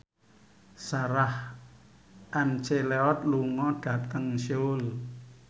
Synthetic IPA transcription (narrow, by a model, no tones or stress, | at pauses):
saɾah | ʔɛmt͡ʃeleɔt̪̚luŋɔɖ̥ä̤t̪əŋʃol